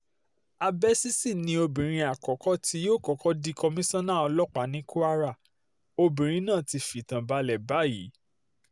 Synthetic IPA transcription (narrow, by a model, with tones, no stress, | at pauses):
a˧bɛ˦si˦si˦˨nĩ˧o˧bĩ˨ɾ̃ĩ˧a˨kɔ˨˦kɔ˦ti˧˦joː˦˨kɔ˨kɔ˦di˦˧kɔ˧mĩ˦sɔ̃˦nã˦˨ɔ˧lɔ˦k͡pa˨˦nĩ˨˦ku˦a˦ɾa˦˨ | o˧bĩ˨ɾ̃ĩ˧˦nãː˦˨ti˧fi˨tã˨ba˧lɛ˨ba˨˦jḭ˨˦